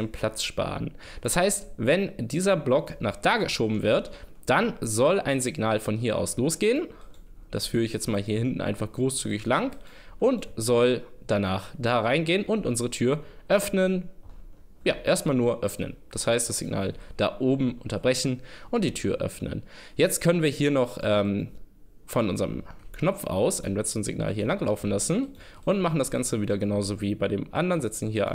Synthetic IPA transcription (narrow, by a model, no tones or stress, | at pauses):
pʰl̥at͡sʃpa̰ːʁən | d̥ashaɪstvɛndiːzɐblɔknaːχd̥aːɡəʃoːbm̩vɪɐtd̥anzɔlʔaɪnzɪɡnaːlfɔnɦiːɐʔa̰ʊsloːsɡ̥eːən | d̥asfyːʁɪçjɛt͡stmaːlɦiːɐhɪntn̩ʔa̰ɪnfaχɡ̥ʁoːst͡syːɡɪçlaŋ | ʔʊntzɔld̥anaːχd̥aːʁaɪnɡeːənʔʊntʔʊnzəʁətʰyːɐʔœfnən | ja̰ːʔeːɐst̚maːlnuːɐʔœfnə̰nd̥ashaɪst̚d̥asz̥ɪɡna̰ːld̥a̰ːʔoːbm̩ʔʊntɐbʁɛçn̩ʔʊnt̚d̥iːtʰyːɐʔœ̰fnə̰njɛt͡st̚kʰœnənviːɐhiːɐnɔχʔɛːm | fɔnʔʊnzəʁə̰mknɔp͡fʔa̰ʊsʔaɪnlɛt͡səʁənzɪ̰ɡna̰ːlɦiːɐlaŋlaʊfn̩lasn̩ | ʔʊntmaχn̩dasɡ̥ant͡səviːdɐɡənaʊzoviːbaɪɾḛːmʔa̰ndɐʁnzɛt͡sn̩hiːɐʔa̰